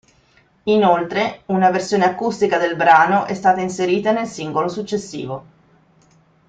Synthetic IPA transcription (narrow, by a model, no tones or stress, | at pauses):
inolt̪ɾeunaversjoːneakːust̪ikad̪elbɾaːnoʔɛst̪aːt̪ainseɾiːt̪anelsiŋɡolosut͡ʃːesːḭːvo